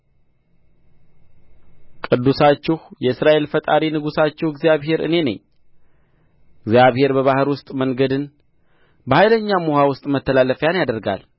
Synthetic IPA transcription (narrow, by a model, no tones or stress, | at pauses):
kʼɨd̪ːusat͡ʃːɪhjɛɨsɾaʔe̞lfət̪ʼaɾinɨɡusat͡ʃːɪhɨɡzjaβɦe̞ɾɨ̰ne̞nə̰ɲː | ɨɡzjaβhe̞ɾbəβahɨɾwʊst̪ʼməŋɡəd̪ɨn | bəhajləɲːamohawʊst̪ʼmət̪ʰːəlalːəfjanjad̪əɾɡa̰l